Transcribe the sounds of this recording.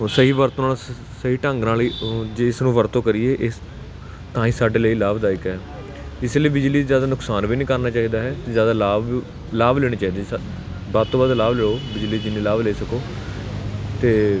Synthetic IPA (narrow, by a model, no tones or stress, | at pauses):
səɦiːʋəɾt̪oːnaː | səɦiːʈəŋɡnaːliːd͡ʒeɪsnũːʋəɾt̪õːkəɾieːʔɪ | t̪ãːĩːsaːɖeːləiːlaːbd̪aːɪkɦɛː | ɪsləiːbɪd͡ʒliːzjaːd̪aːnʊksaːnʋiːnĩːkəɾnaːt͡ʃaːiːd̪aːɦɛːt̪ezjaːd̪aːlaːb | laːbleːɽ̃ẽːt͡ʃaːiːd̪aː | baːd̪̚t̪oːbaːd̪laːbleːoːbɪd͡ʒliːd͡ʒɪnːẽːlaːbleːsəkoː | t̪eː